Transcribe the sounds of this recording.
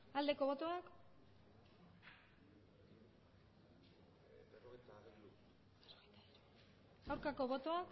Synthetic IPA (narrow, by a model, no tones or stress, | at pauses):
ald̪e̞ko̞βo̞t̪o̞ak | rojt̪a | awɾkako̞βo̞t̪o̞ak